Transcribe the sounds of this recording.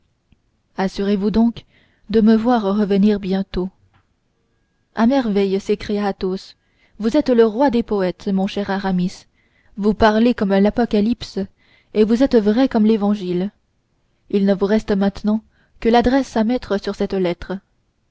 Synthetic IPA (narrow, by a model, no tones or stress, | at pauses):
asyʁevud̪ɔ̃k | d̪əməvwaʁʁəvəniːʁbjɛ̃t̪o | amɛʁvɛjsekχijaːt̪os | vuzɛt̪ləʁwad̪epɔɛt̪mɔ̃ʃɛʁaʁamis | vupaʁlekɔmlapɔkalips | evuzɛt̪vʁɛkɔmlevɑ̃ʒil | ilnəvuʁɛst̪əmɛ̃t̪nɑ̃ | kəlad̪ʁɛsamɛt̪χəsyʁsɛt̪lɛt̪χə